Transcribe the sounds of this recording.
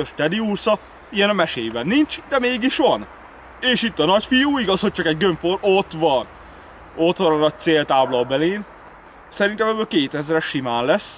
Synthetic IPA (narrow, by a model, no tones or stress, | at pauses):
øʃt̪ɛd̪iuːrsɒ | ijɛnɒmɛʃeːjbɛnːint͡ʃd̪ɛmeːɡiʃʋɒn | eːʃit̪ːɒnɒcfijuːiɡɒsho̞c̚t͡ʃɒkɛɟɡøɱfoɾot̪ʋɒn | o̞t̪ʋɒnɒnɒc̚t̪seːlt̪aːblɒlbɛleːn | sɛɾint̪ɛmɛbːøːlkeːt̪ɛzrɛʃimaːnlɛs